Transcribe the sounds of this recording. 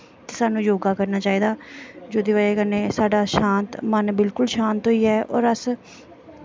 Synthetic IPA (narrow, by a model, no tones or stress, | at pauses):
t̪eːsaːnũːjoːɡaːkəɾnaːt͡ʃaːiːd̪aːd͡ʒoːd̪iːʋaːeːkənẽːsaːɖaːʃãːnt̪mənbɪlkʊlʃãːnt̪ɦoiːɛːʔɔ̰ːɾəs